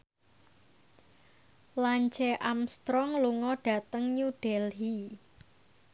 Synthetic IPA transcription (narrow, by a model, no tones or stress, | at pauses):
laɲt͡ʃɛʔamst̪ɾɔŋluŋɔɖ̥ä̤t̪əŋɲuɖ̥ɛlɦi